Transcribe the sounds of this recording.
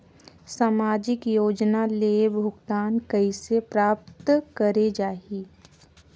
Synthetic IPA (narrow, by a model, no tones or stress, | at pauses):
saːmaːd͡ʒɪkjoːd͡ʒnaleːbʱʊɡt̪aːnkɐisepɾaːp̚t̪kəɾed͡ʒaːiː